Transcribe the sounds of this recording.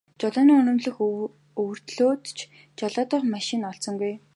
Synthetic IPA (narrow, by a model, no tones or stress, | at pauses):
t͡ɕɔɮɔːniːŋɵnɵ̆mɮɵ̆x | ɵwɵ̆r̥t̪ɮoːt̪t͡ɕʰ | t͡ɕɔɮaːt̪ʊχmaʃɪ̆nɔɬsɞ̆ŋɡuj